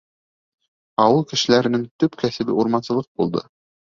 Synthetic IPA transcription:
ɑwɤlˠkɘ̆ʃɘ̆læɾɘ̆nɘŋt̪ɵpkæsɘ̆bɘ̰uɾmɑnsɤ̆lˠɤq̚bulˠd̪ɤ̰

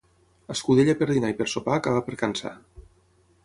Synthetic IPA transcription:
əskuð̞eʎapeɾðinaipəɾsopakaβapəɾkansa̰

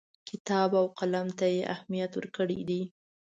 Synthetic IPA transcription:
kʰɪt̪ɑbawqalamt̪ajeʔa̰hmijat̪wəɾkəɽḭd̪i

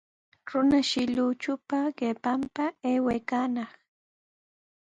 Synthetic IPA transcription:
ɾʊnaʃɪʎut͡ʃʊpaɢepampaeːwejkanɑχ

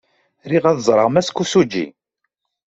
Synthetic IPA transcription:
ɾiʁæðzˤɾˤəʁmæskːusud͡ʒːḭ

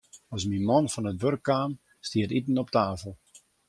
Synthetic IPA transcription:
ɔsmimɔnfɔnətʋørkːaːn | stiətit̬ən̩ɔp̚taːfəlˠ

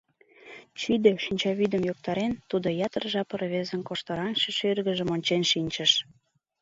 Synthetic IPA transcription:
t͡ɕyd̪eʃinʲt͡ɕɑβid̪əmjok̚t̪ɑɾent̪ud̪ojɑt̪ərʒɑpə̆rβezə̆nkoʃt̪ɑɾɑnʃeʃørɣə̆ʒə̆monʲt͡ɕenʃinʲt͡ɕəʃ

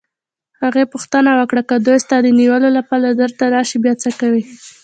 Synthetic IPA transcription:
haɣepuxt̪ənawəkɽakəd̪ojst̪ɑd̪əniwəlolapɑlad̪əɾt̪anɑʃibjɑt͡səkawi

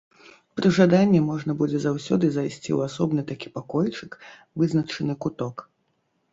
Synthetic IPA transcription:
pɾɨʐad̪anʲːɛmɔʐnɐbud͡zʲɛzawsʲɔd̪ɨzajsʲt͡sʲḭṵasɔbnɨt̪akʲi̥pakɔjt͡ʂɨk | vɨznɐt͡ʂɨnɨkut̪ɔk

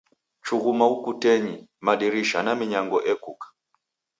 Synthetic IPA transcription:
t͡ʃuɣumaukutɛɲimaɗiɾiʃanamiɲaŋɡɔʔɛkukḁ

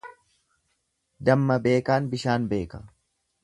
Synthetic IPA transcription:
d̪ɐmːɐbe̞ːkaːnbɪʃaːnbe̞ːkɐ̥

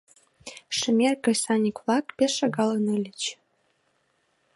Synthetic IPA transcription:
ʃɘ̆mʲerkɤ̆sɑnʲiklˠɑkpʲesʃɑɡɑlˠɤnɘlʲɘt͡ɕ

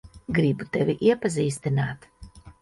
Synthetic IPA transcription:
ɡɾibut̪ɛvʲiʔiɛpaziːst̪inaːt̪

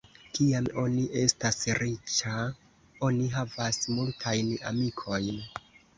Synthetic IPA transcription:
kiamo̞niʔe̞stasɾit͡ʃa | o̞niɦavasmultʰajna̰mikʰo̞jn

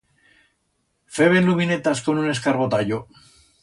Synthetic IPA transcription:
feβenluminet̪asko̞nune̞skaɾβo̞t̪aʎo

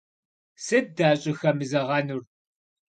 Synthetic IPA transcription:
sɨd̚daːɕʼɪxɐmɨzɐʁɐnur

